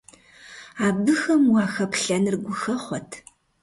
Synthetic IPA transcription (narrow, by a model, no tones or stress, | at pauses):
aːbɨxɐmwɑːxɐpɬɐnɨrɡʷʊxɐχʷɔtʰ